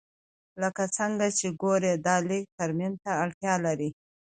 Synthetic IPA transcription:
ləkat͡səŋɡat͡ʃeɡoɾed̪ɑlɪk̚t̪aɾmint̪aaɽt̪jɑlaɾi

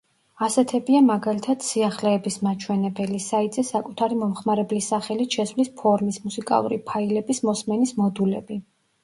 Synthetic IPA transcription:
asɛt̪ʰɛbiamaɡalit̪ʰad̪siaχlɛːbismat͡ʃʰwɛnɛbɛlisait̪ʼzɛsakʼut̪ʰaɾimɔmχmaɾɛblisaχɛlit̪ʃɛsvlispʰɔɾmismusikʼa̰lˠṵɾḭpʰailɛbismɔsmɛnismɔd̪ulɛbi

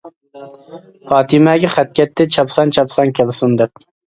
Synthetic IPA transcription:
pɑːt̪ʰimɛɡʲɛχæt̪̚kʲɛt̪ʰːɪt͡ʃʰɑpsɑnt͡ʃʰɑpsɑŋkʲʰɛlɪsund̪ɛp̚

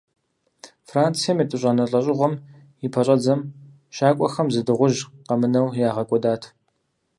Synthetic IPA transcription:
fraːnt͡sʰijɐmjɐtʼɨɕʼɐnɐɬʼɐɕʼɪʁɔm | ipʰɐɕʼɐd͡zɐm | ʃaːkʷʼɔxɐmzɨdɨʁʷʊʒqɐmɨnɐwjaːʁɐkʷʼɔdaːtʰ

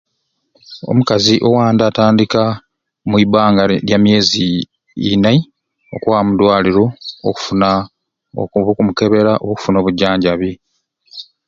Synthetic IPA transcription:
o̞̰mukaziʔo̞waːndaːtaːndika | mwiβaːŋɡaɾjamje̞ːzḭː | na | okwaːmudwaːliɾo̞ːku̥funa | o̰kuβukumuke̞βe̞ɾaʔo̰βuku̥funo̞ːβuɟːaːɲɟaβi

